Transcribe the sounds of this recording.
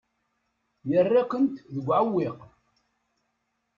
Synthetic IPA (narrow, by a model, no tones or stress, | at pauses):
jərːakʷənt̪ðəɡʷːʕawːiq